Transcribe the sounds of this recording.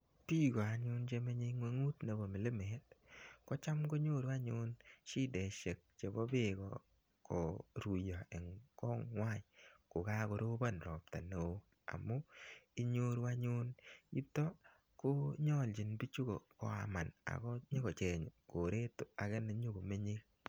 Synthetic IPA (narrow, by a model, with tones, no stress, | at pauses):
pi˦ɡɔ˨a˨ɲʊ˦nt͡ʃe˧me˦ɲe˦ŋwe˦ŋu˦tne˨bo˨mɪ˨lɪ˦me˨˦t̚kɔ˦t͡ʃa˦mɡo˦ɲo˦ɾwa˦ɲʊ˦nt͡ʃi˦de˨ʃe˨k̚t͡ʃe˨bɔ˦bɪ˦kɔ̰ | kɔ˨ɾu˨jɔ˨e˨ŋkɔ˦ŋwa˦˨ɲko˨ka˦ko˨ɾo˦ba˦nɾɔ˨p̚ta˨no˨˦ | a̰˨mu˦i˦ɲo˦ɾwa˦ɲʊ˦ni˦tɔ˦ | ko˦ɲɔ˦˨lt͡ʃi˨nbi˦t͡ʃu˦ko˨kɔ̰˨a̰˨ma˨na̰˨kɔ˦ɲe˦kɔ˨t͡ʃe˨ɲ˨ko˨ɾe˦to˨a˨kɛ˦ne˨ɲu˦ɡo˨me˦ɲi˦k̚